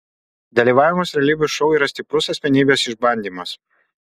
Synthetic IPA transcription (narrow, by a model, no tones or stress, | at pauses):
d̪ɐlʲiːʋɑːʋʲɪmɐsɾʲɛlʲiːbʲʊʃɔʊiːɾɐsʲt̪ʲɪpɾʊsɐsʲmʲɛnʲiːbʲesɪʒbɐnʲd̪ʲiːmɐs